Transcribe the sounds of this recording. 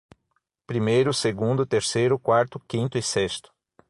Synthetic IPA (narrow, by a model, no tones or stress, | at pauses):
pɾimejɾʊseɡũnd̪ʊt̪eɾsejɾʊkwaɾt̪ʊkĩnt̪ʊisɛst̪ʊ̥